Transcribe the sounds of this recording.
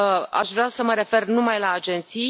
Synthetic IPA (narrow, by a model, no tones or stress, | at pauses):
a̰ʃvɾeasəməɾe̞fe̞rnumajlaːd͡ʒe̞nt̪si